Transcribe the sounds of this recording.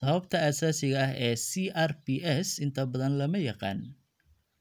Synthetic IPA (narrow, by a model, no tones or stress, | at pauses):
sɐβɐbt̪ʰɐaːsaːsɪɣɐɐɦɛːsiʔarbiʔɛsɪnt̪ʰɐbɐðɐnlɐmɐjɑqɑ̰ːn